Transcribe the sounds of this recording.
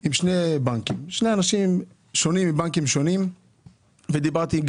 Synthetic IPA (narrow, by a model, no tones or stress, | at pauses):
imʃnebaŋkimʃneanaʃim | ʃo̞nimːibaŋkimʃonim | ved̪ibaʁt̪iɡ